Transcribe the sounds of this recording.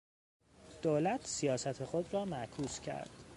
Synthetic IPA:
d̪̥oːlæt̪ʰsijɒːsæt̪ʰexod̪rɒːmæʔkʰuːscʰæ̰ɾd̪̥

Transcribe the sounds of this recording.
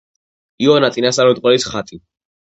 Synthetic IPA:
iɔnat̪sʼinasaɾɛt̪̚ʼqʼwɛlisχat̪ʼi

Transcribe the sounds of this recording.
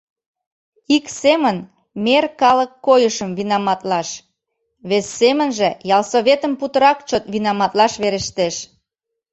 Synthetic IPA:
iksemən | merkɑləkːojəʃəmβinɑmɑt̪lɑʃ | βesːemənʒĕjɑlsoβet̪əmput̪əɾɑkt͡ɕot̪βinɑmɑt̪lɑʃβeɾeʃt̪eʃ

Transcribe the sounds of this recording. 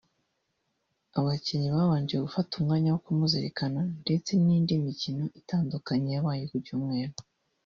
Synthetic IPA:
aβaciɲiβaːβaːɲɟijeɡufatumŋaːɲawokumuziɾekanande̞t͡se̞niːndimicino̞ʔitaːndukaɲejaβaːjukuɾɟuːmŋe̞ːɾo

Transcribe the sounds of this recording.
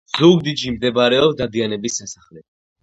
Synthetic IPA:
zuɡd̪id͡ʒimd̪ɛbaɾɛɔpsd̪ad̪ianɛbisːasaχlɛ

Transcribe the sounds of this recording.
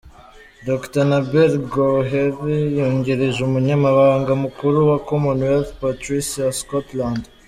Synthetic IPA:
doktanabeɾɡoɦeɾjoɲɟeɾeʒumuɲamaβaːŋɡamukuɾuwakomunweltpatɾisijaskotland

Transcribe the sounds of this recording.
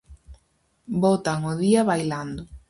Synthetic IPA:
bot̪aŋʊðiaβajland̪ʊ

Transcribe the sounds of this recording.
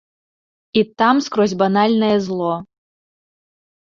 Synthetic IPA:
it̪amskɾɔzʲbanalʲnɐjɛzlˠɔ

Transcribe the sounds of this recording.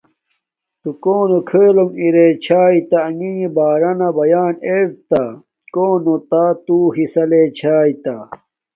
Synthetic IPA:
t̪ukoːnokʰeːlomiɾet͡ɕʰaːit̪aɐŋiːbaːɾɐnɐbɐjaːneɾt̪a | koːnot̪at̪uɦisɐlet͡ɕʰaːit̪a

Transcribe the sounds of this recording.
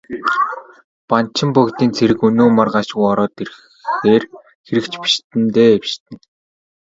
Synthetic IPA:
pant͡ɕʰɪ̆mpɔkt̪iːnt͡sʰeɾɘ̆kɵnoːmarɢaʃɣujɔɾɔːt̪er | xeːr | xeɾɘ̆kt͡ɕpi̥ʃt̪ɘ̆nt̪eːwʃt̪ɘ̆n

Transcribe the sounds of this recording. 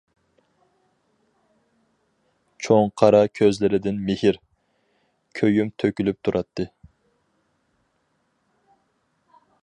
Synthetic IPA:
t͡ʃʰoŋqʰɑɾɑkʲʰøzlɪɾɪd̪ɪnmɪhɪɾ | kʲʰøjymt̪ʰøkʲylyp̚t̪ʰuɾʔɑt̪ʰːɨ

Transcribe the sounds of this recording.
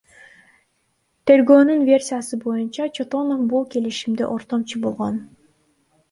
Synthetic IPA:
t̪ʰe̞ɾɡøːnynvʲe̞rʲsʲijasɯbo̞junt͡ʃɑt͡ʃʰo̞t̪o̞nofbulˠke̞liʃimd̪ḛʔo̞ɾt̪o̞mt͡ʃʰubolˠʁo̞n

